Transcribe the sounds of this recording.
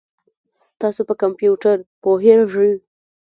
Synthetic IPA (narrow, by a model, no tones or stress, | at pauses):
t̪ɑsopəkampjuʈaɾpoɦeɾʒəl